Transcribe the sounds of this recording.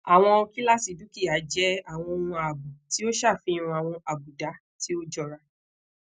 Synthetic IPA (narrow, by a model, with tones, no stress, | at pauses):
a˨w̃ɔ̃˧o˧ki˦la˦˨si˨du˨˦ki˦˨a˨˦d͡ʒɛ˨˦a˦˨w̃ɔ̃˧o˧nũ˧a˨bu˨ti˨˦o˦ʃa˦˨fĩ˧˦˧ũ˧a˨w̃ɔ̃˧a˨bu˨da˨˦ | ti˦o˦d͡ʒɔ˦˨ɾa˧